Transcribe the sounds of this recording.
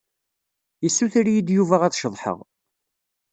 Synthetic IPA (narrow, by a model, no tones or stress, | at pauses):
jəsːuθɾjid̪juvæʁæt͡sʃəðˤħə̰ʁ